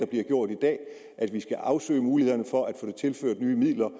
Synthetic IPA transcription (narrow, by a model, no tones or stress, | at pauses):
ɑ̈b̥liɐɡ̥jo̝ɐ̰d̥id̥ɛ̰ː | ʔæd̥ʋisɡ̥æʔɑ̈ʊsø̰ːɪmuːlihe̝ðˠɐnəfɒ̽ʔæd̥fo̽ːde̝t͡sʰe̝lføɐ̰d̥nyːmið̰ˠlɐ